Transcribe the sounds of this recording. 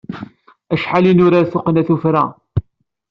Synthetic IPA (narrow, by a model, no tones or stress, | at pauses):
æʃħalinʊɾaɾθʊqnæθufɾæ